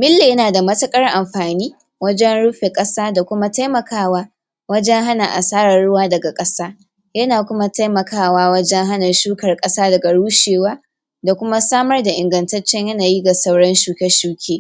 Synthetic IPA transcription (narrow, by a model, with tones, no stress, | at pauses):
mɪ˦lːe˨jɐ˦naː˨da˨mɐ˦tɐ˦kʼɐ˦rʔa˨mɸaː˨niː˦ | wɐ˦d͡ʒɛ˦nɽʊ˦ɸe˨kʼɐ˦saː˦da˨kʷʊ˦ma˦ta˦jmɐ˨kaː˦waː˦ | wɐ˦d͡ʒɛ˦ŋɦa˦na˨ʔa̰˨saː˦ɽɐ˨rɽʊ˦waː˦dɐ˨ɡa˨kʼɐ˦saː˦ | jɐ˦naː˨kʷʊ˦ma˦ta˦jmɐ˨kʰaː˦waː˦wɐ˦d͡ʒɛ˦ŋɦa˦nɐ˨rʃuː˦kɐ˨rkʼɐ˦saː˦dɐ˨ɡa˨ɽuː˦ʃeː˨waː˦ | da˨kʷʊ˦ma˦saː˦mɐ˦rda˨ʔɪ˨ŋɡɐ˨ntɐ˦t͡ʃːɛ˦ɲjɐ˦naː˨ji˦ɡa˨sɐ˦wɽɐ˦nʃuː˦kʲɛ˦ʃuː˦kʲʰeː˦